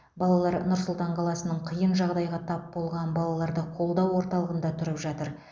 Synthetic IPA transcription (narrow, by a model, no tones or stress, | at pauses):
bɑlˠɑlˠɑɾnʊɾsʊlˠt̪ɑɴqʰɑlˠɑsənəɴqʰəjənʒɑʁd̪ɑjʁɑt̪ʰɑpbo̞lˠʁɑnbɑlˠɑlˠɑɾd̪əqʰo̞lˠd̪ɑwwo̞ɾt̪ɑlˠəʁənd̪ɑt̪ʰʏɾəpʒɑt̪əɾ